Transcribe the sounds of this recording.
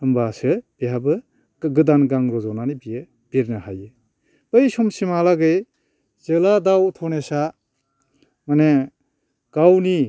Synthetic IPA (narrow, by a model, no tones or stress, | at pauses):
ɯmbasɯb̥iɦabɯ | ɡɯdanɡaŋɾɔzɔnanibijɯ | b̥iɾnɯhajɯ | b̥ɯjsɔmsimalaɡɯj | zɯladawtʰɔnesa | mane | ɡ̥awni